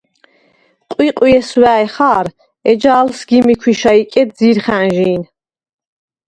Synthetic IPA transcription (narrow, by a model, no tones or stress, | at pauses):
qʼwiqʼwiɛswæːjχaːɾ | ɛd͡ʒaːlsɡimikʰwiʃaikʼɛd̪ziɾχænʒiːn